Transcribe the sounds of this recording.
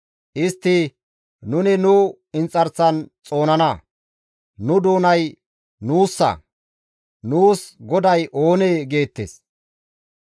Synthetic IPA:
ʔɪst̪ːɪ | nʊnɪnʊ | ɪnt͡sʼːɐɾsɐnt͡sʼo̞ːnɐnɐ | nʊd̪o̞ːnɐj | nuːsːɐ̰ | nuːsɡɔd̪ɐjʔo̞ːneːɡe̞ːt̪ːḛːs

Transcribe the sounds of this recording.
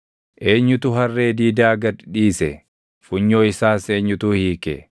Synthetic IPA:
ʔe̞ːɲːʊt̪ʊɦɐrːe̞ːd̪iːd̪aːɡɐdᶑiːsɛ | fʊɲːo̞ːɪsaːse̞ːɲːʊt̪uːhiːkɛ̰

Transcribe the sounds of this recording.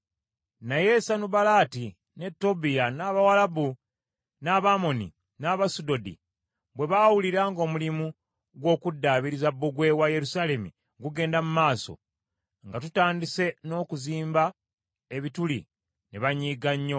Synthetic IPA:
naje̞sanubalaːti | ne̞tːo̞bijanaβawalabu | naːβaːmo̞nḭ | naβasudo̞dḭ | bwe̞βawuliɾaːŋɡo̞ːmulimu | ɡwo̞ːkudːaːβiɾizabːuɡwe̞waje̞ɾusale̞mḭ | ɡuɡe̞ːndamumaːso̞̰ | ŋɡatutaːndise̞no̞ːkuziːmba | eβitulḭ | neβaɲiːɡaɲːo̞

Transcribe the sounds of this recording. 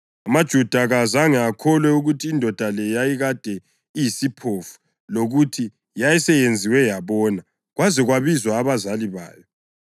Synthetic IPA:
amad̥ʒ̥ʱud̥ʱaɣazaŋɛakʰɔlwɛuɣutʰiːndʱɔd̥ʱalɛjajiɣad̥ʱɛ | ijisipʰofu̥ | loɣutʰi | jajɛsɛjend͡zʱiwɛjaβɔːna | ɣwazɛɣwaβizwaːβazaliβa̰ːjɔ

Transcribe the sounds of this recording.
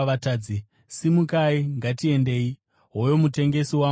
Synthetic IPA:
ataːd͡zi | simukaiŋɡatie̞nde̞ːi | ɦojo̞mute̞ŋɡe̞siwa

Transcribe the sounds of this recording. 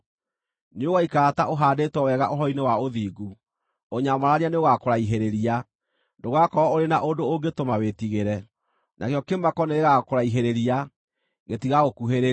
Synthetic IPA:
noɣaikaɾataʔoɦaːdetwɛwɛɣaʔoɦɔinewaoðiːɡu | oɲamaɾaɾianeoɣakoɾaiɦeɾeɾia | ndoɣakɔɔoɾenaʔondooŋɡetomawetiɣeɾɛ | nʔakejɔkemakɔneɣeɣakoɾaiɦeɾeɾia | ɣetiɣaɣokuɦeɾe

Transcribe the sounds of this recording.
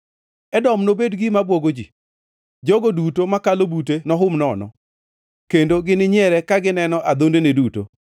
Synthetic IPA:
ɛdɔmnobedɡɪmabwoɡod͡ʒi | d͡ʒɔɡodutomakalobutenɔɦʊmnɔnɔ̰ | kendoɡɪnɪɲjɛɾɛkaɡɪnɛnɔʔad̪ondeneduto̰

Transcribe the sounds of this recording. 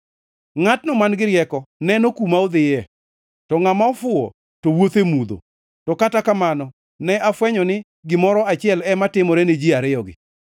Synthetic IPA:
ŋatnɔmanɡɪɾjɛkɔnɛnokumaod̪ɪjɛ | tɔŋamaɔfʊɔ̰ | toɔwot̪emud̪o̰ | tɔkatakamanɔ | nɛʔafwɛɲɔnɪ | ɡɪmɔɾɔat͡ʃɪɛlɛmatɪmɔɾɛned͡ʒiaɾɪjɔɡɪ̰

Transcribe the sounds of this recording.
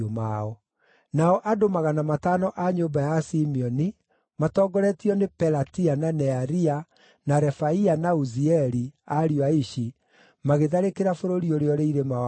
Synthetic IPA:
omaɔ | naɔʔadomaɣanamataːnɔʔaɲoːbajasimiɔni | matɔːɡɔɾɛtiɔnepɛɾatiananɛaɾia | naɾɛfaianauziɛɾiaɾiwaiʃi | maɣeðaɾekeɾafoɾoɾioɾeɔɾeiɾema

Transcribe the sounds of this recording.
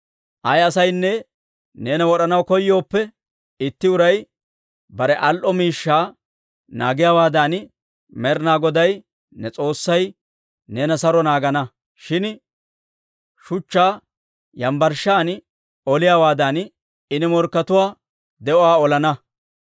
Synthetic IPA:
ʔɐjɐsɐjnːɛ | ne̞ːnɐwɔɗɐnɐwkɔjːo̞ːpːɛ | ɪt̪ːɪʊɾɐj | bɐɾɛʔɐlʔɔmiːʃːaː | na̰ːɡɪjaːwaːd̪an | mɛɾnaːɡɔd̪ɐj | nɛt͡sʼo̞ːsːɐj | ne̞ːnɐsɐɾɔnaːɡɐnɐ | ʃɪn | ʃʊt͡ʃːaː | jɐmbɐɾʃaːn | ɔlɪjaːwaːd̪an | ɪnɪmɔɾkːɐt̪ʊwaː | d̪ɛɔaːɔlɐnɐ

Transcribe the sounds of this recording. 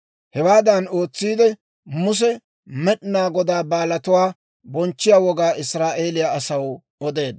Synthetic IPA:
hɛwaːd̪ɐno̞ːt͡sːiːd̪ɛ | mʊs̬ɛ | mɛɗnaːɡɔd̪aːbaːlɐt̪ʊwaː | bɔnt͡ʃːɪjaːwɔɡaːʔɪsɾaːʔe̞ːlɪjaːsɐw | ɔd̪e̞ːd̪

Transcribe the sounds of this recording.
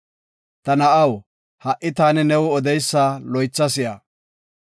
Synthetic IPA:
t̪ɐnɐʔɐw | hɐʔɪt̪aːnɛnɛwʊɔd̪ɛjsːaːlɔjt͡sːɐsɪjaː

